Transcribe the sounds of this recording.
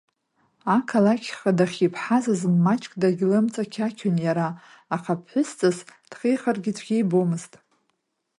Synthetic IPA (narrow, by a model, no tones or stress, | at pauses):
akʰalakʲʰχadaχʲipʰħazazmːat͡ʃʼkʼdaɡʲlɨmt͡sʼakʲʰakʲʰʊnjaɾaː | χapʰħʷʊst͡sʼɨzd̥χejχarɡʲɪtʷʰɡʲejbomɨztʼ